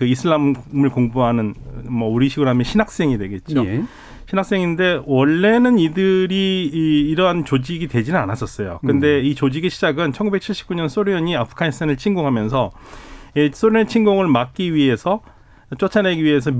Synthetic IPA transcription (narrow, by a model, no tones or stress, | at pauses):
kɯisʰɯɭammɯɭkoŋbuɦanɯnmʌuɾiɕʰiɡɯɾɦamjʌnɕʰinak̚s͈e̞ŋidwe̞ɡe̞t̚t͡ɕ͈o | ɕʰinak̚s͈e̞ŋinde̞wʌɭːe̞nɯnidɯɾiː | ɾʌnt͡ɕod͡ʑiɡitwe̞d͡ʑinɯnanas͈ʌs͈ʌjo̰kɯnde̞it͡ɕod͡ʑiɡiɕʰid͡ʑaɡɯnt͡ɕʰʌnɡubek̚t͡ɕʰiɭɕ͈i̥p̚k͈uɲʌns͈oɾiʌɲiapʰɯ̥kʰanistʰanɯɭt͡ɕʰiŋɡoŋɦamjʌnsʰʌjes͈oɾiʌnt͡ɕʰiŋɡoŋɯɭmak̚k͈iɥiɦe̞sʰʌ | t͡ɕ͈ot͡ɕʰane̞ɡiɥiɦe̞sʰʌm